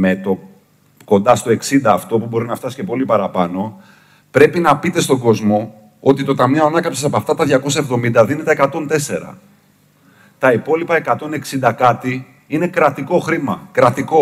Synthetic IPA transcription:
met̪o̞ | ko̞nd̪ɐst̪o̞e̞ksind̪ɐːft̪o̞pubo̞ɾinɐft̪ɐsi̥ce̞po̞lipɐɾɐpɐno̞ | pɾe̞pinɐpit̪e̞st̪o̞ŋɡo̞zmo̞ | ot̪it̪o̞t̪ɐmnioɐnɐkɐpsesɐpoɐft̪ɐt̪ɐðʝɐko̞s̬ɐe̞vðo̞mind̪ɐðine̞t̪eekɐt̪o̞nt̪e̞se̞ɾɐ̰ | t̪ɐipo̞lipɐe̞kɐt̪o̞ne̞ksind̪ɐkɐt̪i | ine̞kɾɐt̪iko̞xɾimɐkɾɐt̪iko̞

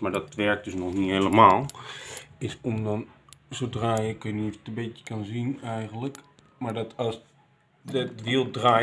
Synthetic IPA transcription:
maɹdɔtʋɛɹk̚døsnɔxniheləmaːlˠ | ɪsɔmdɔnsodraːjəkəniftəbɪtjə̥kanzinɛjɣənlək | maɹdɔtɔs | dɛtʋiəlˠdraː

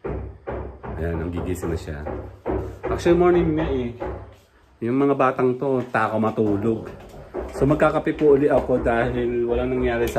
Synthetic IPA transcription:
ʔɐ̰janɐŋɡiɡisɪnɐʃa̰ | ʔak̚ʃolɪmo̞ɹnɪŋnaʔɛ | jʊŋmɐŋabaːt̪ɐŋt̪o̞t̪aːkomɐt̪uːlo̞ɡsomɐɡ̚kaːkɐpɪpuʔʊlɪʔɐko̞d̪aːhɪlwɐlaŋnɐŋjaːɾɛs

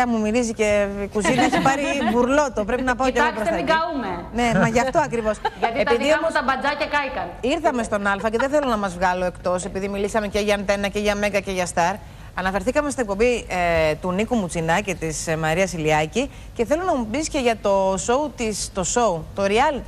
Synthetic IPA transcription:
ɐmumiɾizice̞kuzinɐesipɐɾibuɾlo̞t̪o̞pɾe̞pinɐpɐot̪eɣoosiɡɐumene̞mɐʝɐft̪o̞ɐkɾivo̞sʝɐt̪ietpiðiomst̪ɐbɐd͡zɐcɐkɐjkɐniɾθɐme̞st̪o̞nɐlfɐce̞ðeθelo̞nɐmɐzvɣɐlo̞e̞kt̪o̞se̞piðimilisɐme̞ce̞ʝɐnθe̞nɐce̞ʝɐmeŋɡɐce̞ʝɐst̪ɐɾ | ɐnɐfe̞ɾθikɐmest̪inek̚po̞mbit̪unikumut͡sinɐcit̪ismɐɾiɐsiliɐci | ce̞θe̞lonɐmubisce̞ʝɐt̪o̞so̞ut̪ist̪o̞so̞ut̪o̞ɾiɐlt̪i

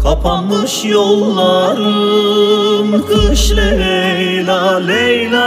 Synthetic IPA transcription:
kʰapʰanɯʃjolˠːaɾɯ | mkɯʃlʲeɾe | j | lalejla

